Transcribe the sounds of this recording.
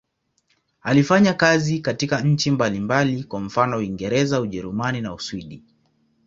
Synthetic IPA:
alifaɲakazikatikaɲ̩t͡ʃimbalimbalikwam̩fanɔwiŋɡɛɾɛzauʄɛɾumaninauswiɗi

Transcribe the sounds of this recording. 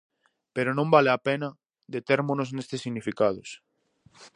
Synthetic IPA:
peɾonõmbaleɐpenɐ | ðet̪eɾmonoznest̪ɪsːiɣnifikað̞os

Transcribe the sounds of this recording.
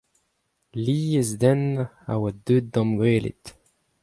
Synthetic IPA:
liːezd̪ɛn | a̰wad̪ød̪̚ːɔ̃mɡweːlḛt̪

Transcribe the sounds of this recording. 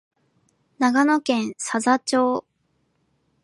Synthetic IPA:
naɡanokẽ̞ɰ̃sazat͡ɕo̞ː

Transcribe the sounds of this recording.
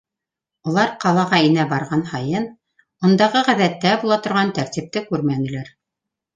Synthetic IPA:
ulˠɑɾqɑlˠɑʁɑinæbɑɾʁɑnhɑjɤn | bŏnd̪ɑʁɤʁæ̆ðæt̪ːæbulˠɑt̪ŏɾʁɑnt̪æɾt̪ip̚t̪ɘkʉɾmænɘ̆læɾ

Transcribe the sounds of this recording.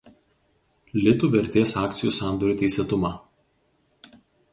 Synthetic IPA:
lʲɪt̪uːʋʲɛɾʲt̪ʲeːsɑːkt̪sʲɪjuːˑsɑˑnd̪ɔɾʲuːt̪ʲɛɪsʲɛt̪ʊmɑː

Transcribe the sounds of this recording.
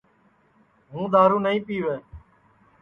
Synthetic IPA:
ɦũːd̪aːɾuːnəĩːpiːʋeː

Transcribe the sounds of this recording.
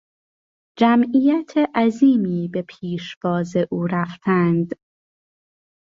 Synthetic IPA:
d͡ʒæmʔiːjæt̪ʰeʔæziːmiːbe̞pʰiːʃbɒːzeʔuːɾæft̪ʰænd̪

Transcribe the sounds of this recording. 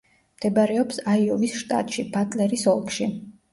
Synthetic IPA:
md̪̥ɛbaɾɛɔpsaiɔvisʃt̪ʼa̰t̪ʼʃibatʼlɛɾisɔlˠkʰʼʃi

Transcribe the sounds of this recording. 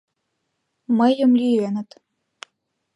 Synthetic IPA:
məjə̆mlʲienə̆t̪

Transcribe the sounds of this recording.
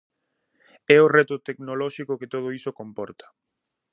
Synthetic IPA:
ɛorɛt̪ʊt̪eknolɔʃikokɪt̪oðoisokompɔɾt̪ɐ̥

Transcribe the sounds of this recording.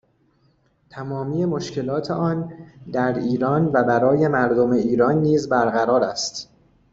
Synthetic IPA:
t̪ʰæmɒːmiːe̞mo̞ʃce̞lɒːt̪ʰe̞ʔɒːnd̪æɾiːɾɒːnvæbæɾɒːje̞mæɾd̪o̞me̞iːɾɒːnːiːzbæɾɣæɾɒːɾæst̪

